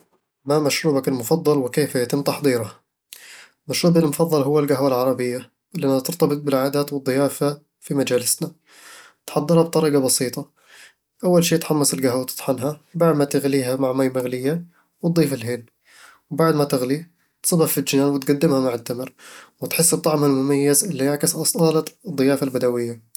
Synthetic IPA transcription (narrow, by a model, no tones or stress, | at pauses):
mamaʃɾuːbakɪlmʊfɑðˤːɑlwɪkeːfajat̪ɪmt̪ɑħd̪ˤiːɾha | maʃɾuːbalmʊfɑðˤːɑlɦʊwːalɡaɦwalʕɑɾˤɑbɪjːa | ɪlʔanːhat̪ɪɾt̪ɑbɨt̪̚ˤbɪlʕaːd̪aːt̪wɨd̪ˤːɨjaːfa | fimad͡ʒaːlɪsna | t̪ħɑd̪ˤːɨɾˤhɑbt̪ˤɑɾiːɡabɑsiːt̪ˤɑ | ʔawːalʃeːt̪ħamːasɪlɡaɦwawt̪ɨ̥t̪ˤħɑnɦabaʕd̪mat̪ɪɣliːɦamaʕmaːjmaɣlɪjːa | wt̪̚d̪ˤiːfɪlɦeːl | wbaʕd̪mat̪ɪɣli | t̪sˤɑbɑffild͡ʒɪnaːnwɪt̪ɡad̪ːɪmhamaʕɪt̪ːamɪɾwɪt̪ħɪsːɨt̪ˤːɑʕmhalmʊmajːazʔɪlːijaʕkɪsʔɑsˤɑːld̪ˤːɨjaːfalbad̪awɪjːa